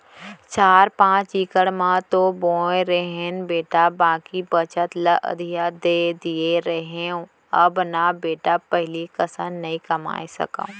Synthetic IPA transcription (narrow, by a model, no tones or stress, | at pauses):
t͡ʃaːɾpãːt͡ʃiːkəɽmãt̪oboːẽɾeɦenbeːʈabãːkibət͡ʃət̪ləʔə̰d̪ʱijad̪eːd̪ieɾɐɦeũ | ɐbnabeːʈapɐɦɪlikɐsə̃nnɐĩkɐma̰ːesɐ̰kã̰ũ